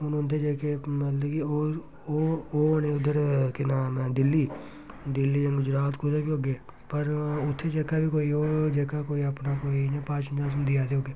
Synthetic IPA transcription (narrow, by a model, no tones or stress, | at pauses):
ʊnʊ̃nt̪ʰːeːd͡ʒeːkeːmət̪ləbkɪoː | oːoːnẽːʊd̪əɾkenaːmːd̪ɪlːiː | d̪ɪlːiːə̃ɡʊd͡ʒɾaːt̪kod̪eːbioːɡeː | pəɾʊt̪ʰːeːd͡ʒeːkaːbʱiːkoːiːoːd͡ʒeːkaːkoːiəpnaːkoːinẽːpaːt͡ʃnãːs̬nd̪iːaːd̪eːɦoːɡeː